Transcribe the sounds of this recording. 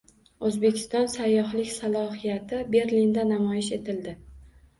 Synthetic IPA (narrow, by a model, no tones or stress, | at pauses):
ɵzbe̞kʲʰɪ̥st̪ɒnsajːɒɦlɪkʲsalˠɒɦijat̪ʰɪbe̞ɾlind̪anamɒjɪʃe̞t̪ʰɪld̪ɪ